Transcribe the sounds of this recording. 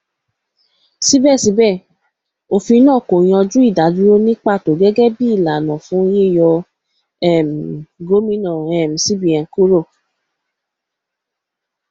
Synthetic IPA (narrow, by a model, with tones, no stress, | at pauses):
si˦bɛ˦˨si˧˦bɛ˦˨ | o˨fi˧˦nãː˦˨ko˨j̃ɔ̃˧d͡ʒu˦i˦˨da˨˦du˦ɾo˦nĩ˦k͡pa˦˨to˨ɡɛ˦ɡɛ˦bi˦i˦˨la˨nɔ̃˨fũ˨˦je˦˨jɔ˧ | ɛ˦˨m˨ɡo˦mĩ˦nɔ̃˨ɛ˨m̩˨si˦bi˨ã˨n˨ku˦ɾo˦˨